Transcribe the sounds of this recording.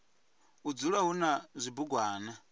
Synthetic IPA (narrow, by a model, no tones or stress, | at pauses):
ud͡zuɺaɦunazʷibuɡwaːna